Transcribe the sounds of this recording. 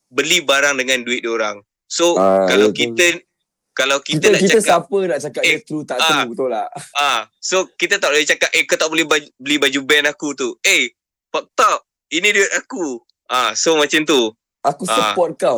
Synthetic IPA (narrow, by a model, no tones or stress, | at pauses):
bəlibaɾaŋdəŋãnduɪt̪̚oɾaŋ | sokalawkit̪ə | kalawkiit̪ənaʔkitt͡ʃaəskaapənaʔt͡ʃakatet̪ɾut̪aʔtabət̪ulaʔasokit̪ət̪aʔbolɛt͡ʃakaʔ̪ʔekət̪aʔbolɛhbabəlibad͡ʒubɛnakut̪ue | pak̚t̪aʔ | iniduɪt̪aku | ʔasomat͡ʃant̪u | akuasəpɔt̪̚kaw